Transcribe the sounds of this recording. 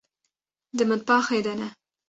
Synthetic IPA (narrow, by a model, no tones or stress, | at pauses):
d̪əməd̪̚pɑxajd̪ana